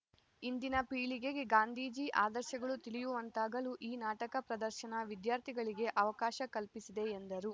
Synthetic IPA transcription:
ind̪inɐpiːɭiɡe̞ɡeɡaːnd̪ʱiːd͡ʒiːʔaːd̪ɐɾʃjɐɡɐɭut̪iɭijuʋɐnt̪aːɡɐluʔiːnaːʈɐkɐpɾɐd̪ɐɾʃɐnɐʋid̪jaːɾt̪ʰiɡɐɭiɡe̞ʔɐʋɐkaːʃɐkɐlpisid̪e̞ːnd̪ɐɾu

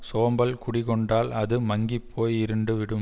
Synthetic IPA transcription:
soːmbɐlkʊɽɪkɔɳɖaːlɐðɯmɐŋɡipʰːoːjɪɾɯɳɖɯʋɪɽɯm

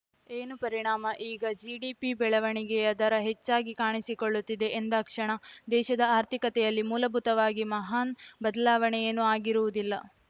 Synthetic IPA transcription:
eːnupɐɾiɳaːmɐʔiːɡɐd͡ʒiːɖiːpibɛɭɐʋɐɳiɡɛjɐd̪ɐɾɐɦet͡ʃːaːɡikaːɳisikoɭːut̪ːid̪e̞ʔend̪ɐkʂɐɳɐd̪ɛːʃɐd̪ɐaːɾt̪ʰikɐt̪ɛjɐlːimuːlɐbʱut̪ɐʋaːɡimɐɦaːnbɐd̪ɐlaːʋɐɳɛjeːnːuaːɡiɾuʋud̪ilːɐ

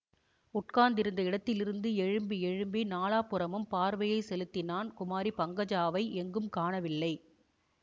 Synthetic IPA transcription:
ʊʈkaːnd̪ɪɾɯnd̪ɐɪɽɐt̪ːɪlɪɾɯnd̪ɯɛɻɯmbiɛɻɯmbinaːlaːpːɯɾɐmɯmpaːɾʋɐjɐɪsɛlɯt̪ːɪnaːnkʊmaːɾipɐŋɡɐd͡ʒaːʋɐɪʔɛŋɡɯmkaːɳɐʋɪlːɐɪ

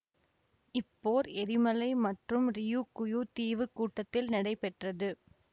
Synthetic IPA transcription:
ɪpːoːɾɛɾɪmɐlɐɪmɐʈrɯmɾɪjuːkːʊjut̪iːʋɯkːuːʈːɐt̪ːɪlnɪɽɐɪpɛʈrɐðɯ

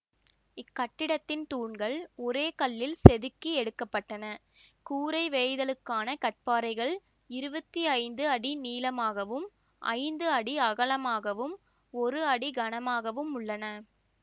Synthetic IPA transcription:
ɪkːɐʈːɪɽɐt̪ːɪnt̪uːɳɡɐɭɔɾeːkɐɭːɪlsɛðɯkːiɛɽɯkːɐpːɐʈːɐnɐ | kuːɾɐɪʋeɪðɐlɯkːaːnɐkɐʈ̚paːɾɐɪɣɐɭ | ɪɾɯbɐt̪ːiɐɪnd̪ɯɐɽiniːlɐmaːɣɐʋɯm | ʔɐ̰ɪnd̪ɯɐɽiɐɣɐɭɐmaːɣɐʋɯm | ɔɾɯɐɽiɡɐɳɐmaːɣɐʋɯmʊɭːɐnɐ

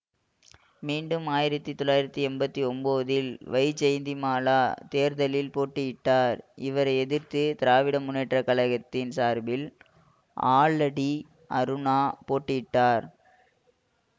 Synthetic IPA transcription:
miːɳɖɯmaːjɪɾɐt̪ːit̪ːɔɭːaːjɪɾɐt̪ːiɛmbɐt̪ːiɔmboːðɪlʋɐɪt͡ʃːɛjnd̪imaːlaːt̪eːɾðɐlɪlpoːʈːɯjɪʈːaːɾɪʋɐɾɐɛðɪɾt̪ɯt̪ɪɾaːʋɪɽɐmʊnːɛʈrɐkɐɭɐɣɐt̪ːɪnsaːɾbɪl | a̰ːɭɐɽi | ʔɐ̰ɾɯnaːpoːʈːɪjɪʈːaːɾ

